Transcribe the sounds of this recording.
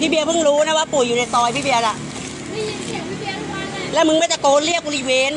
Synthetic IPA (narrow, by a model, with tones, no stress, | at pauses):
pʰiː˦˥˩bi˧əwpʰɯ˥˩ŋɾuː˦˥na˦˥˩waː˥˩pu˨˩əjuː˨˩na˧jt̪ɔː˧jpʰi˦˥˩i˧əwla˧˩ʔ | lɛ˦˥wmɯ˧ŋmaː˥˩t͡ɕa˨˩koː˧˦nli˥˩ək̚wo˧li˦˧˩weː˧n